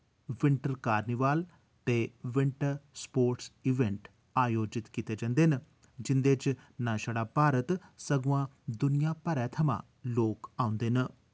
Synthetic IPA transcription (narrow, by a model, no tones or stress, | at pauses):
ʋɪɳʈəɾkaːɾnɪʋaːl | t̪eːʋɪɳʈəɾspoːɾʈsiʋɛ̃ɳʈ | aːjoːd͡ʒɪt̪kit̪eːd͡ʒãnd̪eːn | d͡ʒɪnd̪eːt͡ʃnaːʃəɽaːpaːɾət̪səɡuãː | d̪ʊnijãːpəɾɛːt̪ʰəmã̰ː | loːkaːʊ̃nd̪eːnə